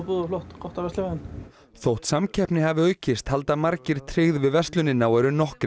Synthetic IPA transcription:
puːðaflɔht̪kʰɔht̪avɛst̪lɪmɛn | θowht̪samcʰɛhpnɪhavɪœːɥcɪst̪hal̪t̪amaɾcɪɾ̥t̪ʰɾɪːɣðvɪðvɛst̪lʏnːɪnawɛɾʏnɔhkɾɪ

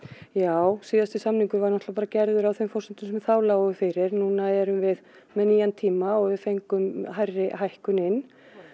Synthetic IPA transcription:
jaːwsiːðast̪ɪsamniŋkʏvaɾnɔht̪lapaːɾacɛɾðʏɾawθemfɔrsʏnt̪ʏmsɛmɛθaːwlaʏfɪɾɪɾnuːnaɛɾʏmvɪð | mɛniːjant̪ʰiːmaɔɣvɪðfejŋkʏmɦajrːɪɦajhkʏnɪn

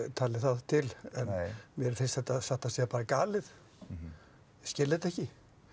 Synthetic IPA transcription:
t̪ʰaːlɪθaðt̪ʰɪlɛnmjɛɾfɪnst̪θɛt̪ːaðsaht̪asjɛapaːɾakaːlɪð | scɪlːɪðɛt̪ɛhcɪ

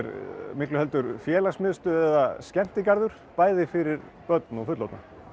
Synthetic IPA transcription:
ɾmɪklʏɦɛlt̪ʏɾfjɛːlasmɪðʏst̪ʏɛðascɛm̥t̪ɪkaɾðʏɾ̥ | paːjðɪfɪɾɪɾ | pœt̪nɔɣfʏt̪lɔt̪na

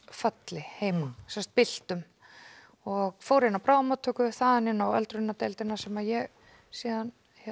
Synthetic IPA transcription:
fœt̪lɪheːjmsɛmst̪̚pɪl̥t̪ʏm | ɔɣfoːwɾɪnːawpɾaːwðmat̪ʰːœːkʏθaðanɪnːawœ̰lt̪ɾʏnːat̪ɛjlt̪ɪnasɛmaðjɛɣ | siːðan

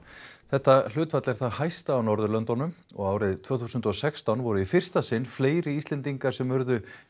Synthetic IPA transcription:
θɛht̪ːal̥ʏːt̪fat̪lɛɾ̥θaðhajst̪aːwnɔɾðʏlœnt̪ɔnːʏmɔ̰ɣaːwɾɪðt̪ʰvœːθusʏnt̪ɔsɛkst̪anvɔɾʏifɪr̥st̪asɪnːfleːjɾɪist̪ɛnt̪iŋkaɾ̥sɛmvœɾðʏ

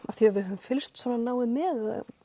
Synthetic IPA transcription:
a̰fθjɛɾvɪðhɛvʏmfɪlst̪sɔnanaːwɪmɛða

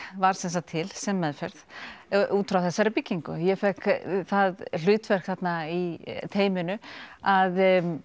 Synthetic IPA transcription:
vaɾ̥sɛns̬at̪ʰɪlsɛmːɛðfɛɾð | uːt̪ʰɾawθɛsːaɾɪpicːiŋkʏ̰jɛfɛkθaðl̥ʏːt̪vɛr̥kθat̪nait̪ʰeːjmɪnʏað

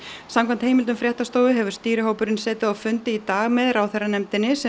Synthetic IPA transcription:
samkʰvant̪hejmɪlt̪ʏmfɾjɛht̪ast̪oːwɪɦɛvʏ̥ɾ̥st̪iːɾɪɦoːwpʏɾɪnsɛːt̪ɪðawfʏnt̪ɪit̪aːɣmɛðɾaːwθejrːanɛmt̪ɪnːɪsɛ

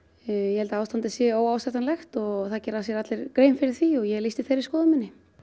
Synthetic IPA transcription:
jɛhɛlt̪aaːwst̪ant̪ɪsjɛoːwaːwst̪ɛht̪anlɛxt̪ɔɣθaðcɛːɾːasjɛɾat̪lɪɾkɾeːjmfɪɾɪɾ̥θiɔɣjɛɣlijst̪ɪθejɾɪɾskɔːðʏmɪnːɪ

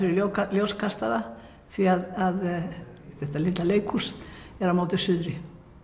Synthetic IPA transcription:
ʏɾʏokaljowskʰast̪aða | θiaðað | θɛht̪alɪt̪laleːjkʰusɛɾamaːwt̪ɪsʏðɾɪ

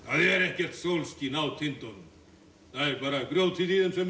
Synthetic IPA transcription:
θaðɛɾɛhcɛr̥t̪sowlscinawt̪ʰɪnt̪ɔn | θaðɛɾpaːɾakɾjowt̪ʰiðiðʏmsɛm

